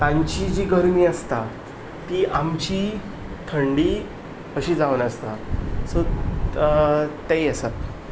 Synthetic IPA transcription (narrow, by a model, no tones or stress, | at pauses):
t̪ãɲt͡ɕid͡ʑiɡəɾmiːəst̪a | t̪iːʔamt͡ɕiː | t̪ʰəɳɖiː | əɕiːd͡zaʋnəst̪aso | t̪ajəsət̪